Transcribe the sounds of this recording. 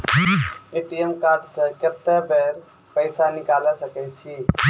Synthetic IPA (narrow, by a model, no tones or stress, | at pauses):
eʈiemkaɾɖsə̃kət̪ːɛbeɾ | pəɪsanikalɛsəkɛt͡ʃʰi